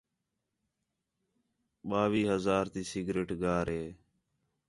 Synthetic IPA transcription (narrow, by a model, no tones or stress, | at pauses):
ɓaːʋiːɦəzaːɾt̪iːsɪɡɾeːʈɡaːɾɦeː